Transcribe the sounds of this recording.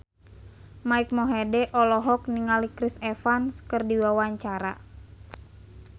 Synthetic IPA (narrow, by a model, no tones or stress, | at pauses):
maik̚mɔɦedɛʔɔlɔɦɔk̚niŋalikɾisɛfanskɨrdiwawaɲt͡ʃaɾa̰